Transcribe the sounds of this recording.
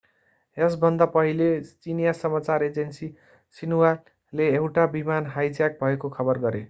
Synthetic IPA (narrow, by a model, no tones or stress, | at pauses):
esbʱʌnd̪apʌɦilet͡sinijasʌmat͡saɾed͡zensi | sinuwa | leːwʈabimanɦajtjak̚bʱʌekokʰʌbʌrɡʌɾe